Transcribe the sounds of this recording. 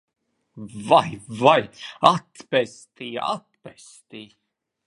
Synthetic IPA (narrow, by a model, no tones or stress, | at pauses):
vajvajat̪pɛst̪iːa̰t̪̚pɛst̪iː